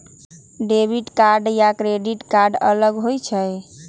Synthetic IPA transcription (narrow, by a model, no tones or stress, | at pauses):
ɖebʱiʈkaɾɖjakɾeɖiʈkaɾɖə̰ləɡɦojt͡ʃʰəj